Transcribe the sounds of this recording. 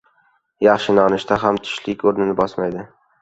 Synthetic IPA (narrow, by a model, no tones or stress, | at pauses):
jaχʃɪnɒnɪʃt̪ʰaɦamt̪ʰʊ̥ʃlɪkʲoɾnɪnɪbɒsmajd̪ɪ